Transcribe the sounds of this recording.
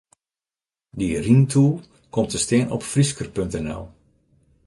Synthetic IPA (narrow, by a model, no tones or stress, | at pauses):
dirintʰulˠ | kɔmtəsteːənɔ̰pfriskərpøntɛnɛ̰lˠ